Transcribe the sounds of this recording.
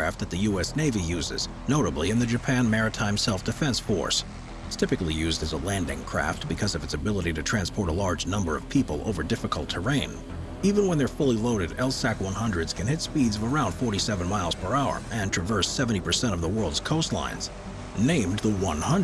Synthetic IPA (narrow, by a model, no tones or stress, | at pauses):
æft̪̚ðɨt̪̚ðɨjʉɛsneɪvijʉzɪ̰z | noʊɾəbliɨ̃nðɨd͡ʒɨpʰæ̃nmɛɹɨtʰãɪ̃msɛlˠfd̥ɨfɛ̃nsfɔ̰ɹs | stʰɪpɨklijʉzdɨzəlæ̃ndɪ̰̃ŋkʰɹ̥æ̰ft̚b̥ɨkʰʌzʌvɨtsɨbɪlˠəɾiɾɨtʰɹ̥æ̃nspʰɔɹɾəlɑɹd͡ʒnʌ̃mbə̰˞ʌv̥pʰipəl̩ˠo̰ʊvə˞dɪfɨkl̩ˠtʰə˞ẽɪ̃n | ivɨ̃nwə̃nðə˞fʊlˠiloʊɾɨɾɛlˠsækwʌ̃nɦʌ̃ndɹɨdz̥kʰɨ̃nhɪtspidzʌvə˞ãʊ̃nd̥fɔɹɾisɛvɨ̃nmaɪlˠz̥pʰə˞aʊə̰˞ʔɨ̃ntʰɹ̥ɨvɜ˞sɛvɨ̃n̩tipʰə˞sɛ̃ɾ̃ʌvðəwɜ˞lˠdz̥kʰoʊstˡlã̰ɪ̃nz̥ | nẽɪ̃mðəwʌ̃nhʌ̃n